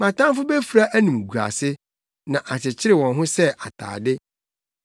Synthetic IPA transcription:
mã˨tã˦mfʊ˦be˦fu˨ɾa˦ʔæ˦nũ˨mɡu˨a̰˨sɪ˦ | nã˨ʔa˨t͡ɕɪ˨t͡ɕʰɪ˦ɾɪ˨wɔ̃˨nɦʊ̃˦sɛ˦ʔa̰˨tʰa̰ː˨dɪ˦

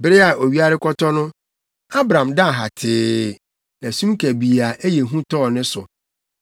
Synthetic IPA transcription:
bɪ˦ɾɪ˦a˨ʔo˨ɥi˦a˦ɾɪ˦kʰɔ˦tʰɔ˦nʊ̃˦ | a˦bɾã˨mda˦˨ɦa˨tʰɪː˨˦ | næ˨sũ˦m˦kʰæ˨bi˨a˨ʔe˦je˨ɦũ˦tʰɔ˦ɔ˨nɪ̃˦sʊ̰˨

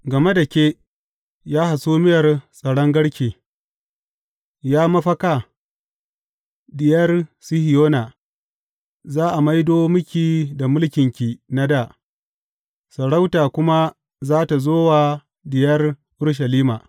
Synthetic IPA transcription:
ɡɐ˨me˦da˨kʲeː˦ | jaː˦ha˨suː˦mɪ˦jɐ˨rsʼɐ˨ɽɔ˦ŋɡɐ˦ɽkʲeː˨ | jaː˦mɐ˦ɸɐ˦ka˨ | dɪ˨jɐ˦rsi˦hɪ˨joː˦naː˨ | zaː˦ʔa˨ma˦jdoː˦mʊ˦kʲiː˨da˨mʊ˦lkʲɪ˨ŋkʲiː˨na˦da˨ | sɐ˨ɽa˦wtaː˨kʷʊ˦ma˦ | zaː˦ta˨zoː˦waː˨ | dɪ˨jɐ˦rʔʊ˦ɽʃ̬ɐ˨liː˦ma̰ː˨

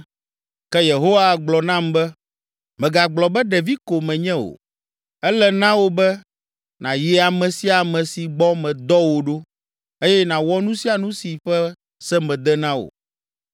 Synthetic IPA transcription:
kɛ˦je˨ɦo˦wa˦˨ɡ͡blɔ˨nã˦mbɛ˦ | mɛ̃˨ɡa˨ɡ͡blɔ˨bɛ˦ɖɛ˨vi˦ko˨mɛ̃˨ɲɛ̃˦wo̰˨ | ɛ˦lɛ˦nã˦wo˨bɛ˦ | nã˨ji˨a˨mɛ̃˨si˦a˨mɛ̃˨si˨ɡ͡bɔ˦mɛ̃˨d̪ɔ˦wo˨ɖo˦ | e˦jɛ˦nã˨wɔ˦nũ˦si˦a˨nũ˦si˨ɸɛ˦ | sɛ˦mɛ̃˨d̪ɛ˦nã˦wo̰˨

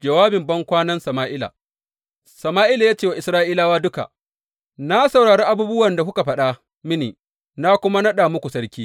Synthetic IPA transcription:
d͡ʒɐ˨waː˦bɪ˨mbɐ˦ŋkʷaː˦nɐ˦nsɐ˨maː˦ʔɪ˦la̰˨ | sɐ˨maː˦ʔiː˦la˨jaː˦t͡ʃeː˦˨wa˨ʔɪ˨sɾaː˦ʔiː˦laː˦waː˦dʊ˦ka̰˨ | na˦sɐ˨wɽaː˨ɽeː˦ʔa˦buː˦bʊ˦wɐ˨nda˨hʊ˦ka˨ɸɐ˦ɗa˦ | mɪ˦nḭː˨ | na˦kʷʊ˦ma˦nɐ˦ɗaː˨mʊ˦kʷu˨sɐ˦ɽkʲiː˦

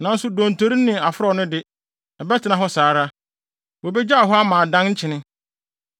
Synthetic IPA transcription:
nã˨n̩˦sʊ˦dõ˨n˨tʰo˦ɾi˦nːɪ̃˨a˨fʊ˦ɾɔ˦˨nʊ̃˦dɪ˦ | ɛ˨bɛ˦tʰɪ˨nã˨ɦɔ˦saː˨˦ɾa˦ | wo˨bɛ˦d͡ʑa˦a˨ɦɔ˦a˦mã˨dã˦nɲ̩˦t͡ɕʰɪ˨nɪ̃˦

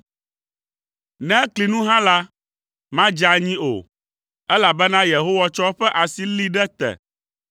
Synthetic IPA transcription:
nɛ̃˦kli˨nũ˦ɦã˦la˦ | mã˦d͡ʒa˦ɲĩ˦o̰˨ | ɛ˦la˨bɛ˦nã˦je˨ɦo˦wa˦t͡ʃɔ˦ɸɛ˦ʔa˨si˦li˦ɖɛ˦t̪ɛ̰˨

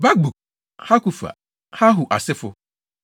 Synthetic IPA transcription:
ba˦k̚bu˨ | ha˦ku˦fa̰˨ | ha˦ɦu˨ʔa̰˨sɪ˦fʊ˦

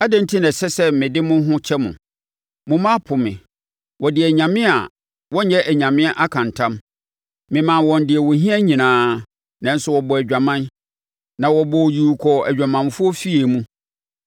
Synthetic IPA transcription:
a˦dɛ̃˦n˦tʰi˦nɛ̃˨sɛ˦sɛ˦mɪ̃˨dɪ˦mʊ̃˦ɦʊ̃˦t͡ɕʰɛ˦mʊ̰̃˨ | mʊ̃˨mã˦pʰʊ˨mɪ̰̃˨ | wɔ˨dɪ˨æ˨ɲã˨mɪ̃˦a̰˨ | wɔ̃˦ɲɛ˦ʔæ˨ɲã˨mɪ̃˦a˦ʔa˦kʰã˨ntʰã˦m | mɪ̃˨mã˨wɔ̃˨ndɪ˨ɛ˨wɔ˨ɦĩ˦ɛ˦ɲĩ˨nãː˨˦ | nã˦n̩˦sʊ˦wɔ˨bɔ˨æ˨d͡ʑᶣa˨mã˦n | nã˨wɔ˨bɔ˨ji˨kʰɔ˨æ˨d͡ʑᶣa˨mã˨nfʊ˦ɔ˦fi˦e˨mũ˦

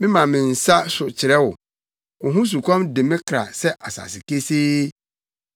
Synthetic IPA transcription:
mɪ̃˦mã˨mɪ̃˨n̩˨sa˦sʊ˨t͡ɕʰɪ˨ɾɛ˦wʊ˨ | ʊ˨ɦũ˦s̬u˨kʰʷã˦mdɪ˨mɪ̃˦kʰɾa̰˨sɛ˦ʔa˨sa̰˨sɪ˨ke˦seː˦

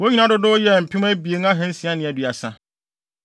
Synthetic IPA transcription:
wo˦ɲĩ˦nã˦dʊ˦dʊ˦jɛ˨m̩˨pʰĩ˦m˦ɛ̃˦bi˨e˨ŋ˦ã˦ɦɛ̃˦n̩˦sĩ˨˦a˦nɪ̃˨ɛ˨dɥa˨sã˦

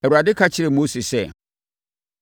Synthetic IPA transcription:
ɛ˨wu˨ɾa˨dɪ˦kʰa˦t͡ɕʰɪ˦ɾɛ˨mo˦si˨sɛ˦˨

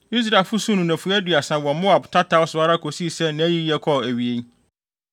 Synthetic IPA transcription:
i˦s̬ɾa˨lfʊ˦sũ˦nʊ̃˨nã˨fʊ˨˦æ˦dʊ˨a˨sã˨wɔ̃˨mo˦a˨btʰa˦tʰa˦ʊ˦sʊ˨˦a˦ɾa˦kʰo˨si˦˨sɛ˦nã˦æ˦ji˦jɛ˦kʰɔ˦˨æ˨ɥi˨e˦ɲ˦

